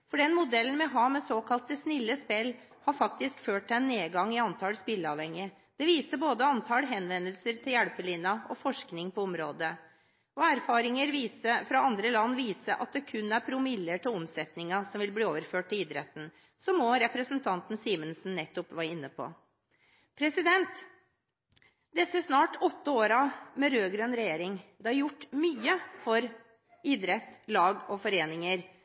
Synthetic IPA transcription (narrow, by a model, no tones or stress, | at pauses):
fɔɖɛnmʊd̪ɛlnmɛɦɑːmɛsoːkʰɑlt̪əsnɪlːəspɛlː | hɑɾfɑkt̪ɪskføːʈ̪̚ːɛnːeːɡɑŋːɪɑnt̪ʰɑlspɪlːəɑːʋhɛŋɪ | d̪̥ɛʋiːsəboːd̪əɑnt̪ʰɑlɦɛnʋɛnːəlsəɾt̪ʰɪljæɽpəlɪnːɑɔfɔʂknɪŋpʰɔɔmɾoːd̪ə | ɔæɾfɑːɾɪŋəɾʋiːsəfɾɑɑnd̪ɾəlɑnːʋiːsəʔɑ̰t̪̚d̪ɛkʰʉnːæɾpʰɾʊmɪlːəʈɪlɔmsɛt̪nɪŋɑsɔmʋɪlbliːoːʋəɾføːʈ̚t̪ɪliːd̪ɾɛt̪n̩ | sɔmːɔɾɛpɾəsnt̪ʰɑnt̪n̩siːmənsn̩nɛt̪ːʊpʋæːɾəɪnːəpʰɔ̰ | pʰɾɛsɪd̪ɛnt̪ | d̪ɛsːəsnɑːʈɔt̪ːəoːɾɑmɛɾøːɡɾønɾɛjeːɾɪŋd̪ɛhɑɾjʊʈːmyːəfɔɾ | ɪːd̪ɾɛt̪ːlɑːɡɔfɔɾeːnɪŋəɾ